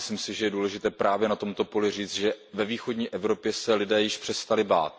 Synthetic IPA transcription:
slimsɪʒɛjɛduːlɛʒɪt̪ɛːpɾʔaːvjɛnat̪o̞mt̪o̞po̞lɪr̝iːt͡st̪ʒɛvɛviːxo̞dɲiːʔɛvɾo̞pjɛsɛlɪdɛːjɪʃpr̝̥ɛst̪alɪba̰ːt̪̚

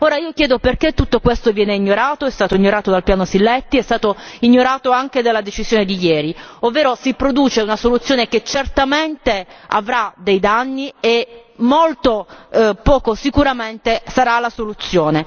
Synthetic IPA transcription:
oːɾaiːok̟jɛːd̪operket̪ːut̪ːokwest̪ovjɛːneiɲːoɾaːt̪oɛst̪aːt̪oiɲːoɾaːt̪od̪alpjaːnosilːɛt̪ːiɛst̪aːt̪oiɲːoɾaːt̪oaŋk̟ed̪alːad̪et͡ʃizjoːned̪ijɛːɾiovːeːɾosipɾod̪uːt͡ʃeunasolut̪sːjoːneket͡ʃːert̪ament̪ea̰vɾad̪ejd̪anːiemːolt̪opɔːkosikuɾament̪esaɾalasolut̪sːjoːne

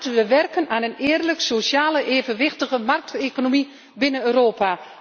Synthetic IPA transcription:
təʋəʋɛrkənaːnənɪːərləksosjaːləʔeːvənʋɪxtəɣəmark̚tʰekonomi | bɪnənøːroːpa

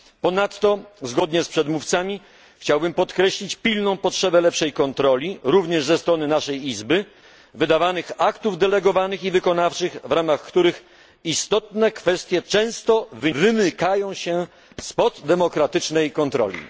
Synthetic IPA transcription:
pɔnat̪ːɔzɡɔd̪ɲɛspʂɛd̪muft̪samʲi | xt͡ɕawbɘmpɔt̪kɾɛɕlʲit͡ɕpʲilnɔ̃w̃pɔtʂɛbɛlɛpʂɛjkɔnt̪ɾɔlʲiɾuvɲɛʐzɛst̪ɾɔnɘnaʂɛjizbɘ | vɘd̪avanɘxakt̪uvd̪ɛlɛɡɔvanɘxivɘkɔnaft͡ʂɘɣvɾamaxkt̪uɾɘx | ist̪ɔt̪nɛkfɛst̪ʲjɛt͡ʂɛ̃w̃st̪ɔvɘvɘmɘkajɔ̃w̃ɕɛ | spɔd̪ːɛmɔkɾat̪ɘt͡ʂnɛjkɔnt̪ɾɔ̰lʲḭ

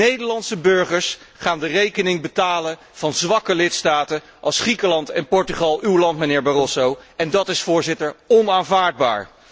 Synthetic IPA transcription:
ejdəɹlɑnsəbøɹχəɹs | χaːndərejkənɪŋbətaːlə | v̥ɑnzʋɑkəlɪtstaːtə | ʔɑlˠsχrikəlɑntɛnpɔɹtyχɑlˠywlɑntmənɪːɹbarɔsowɛndɑtɪsfʊːɹzɪtəɹɔnaːnvaːɹd̚ba̰ːɹ

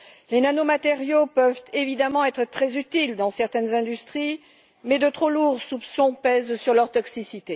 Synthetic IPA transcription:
lenanomat̪eʁjopœvt̪evid̪amɑ̃ɛt̪χət̪χɛzyt̪ild̪ɑ̃sɛʁt̪ɛnzɛ̃d̪yst̪χi | mɛd̪ət̪χoluʁsupsɔ̃pɛzsyʁlœʁt̪ɔksisit̪e

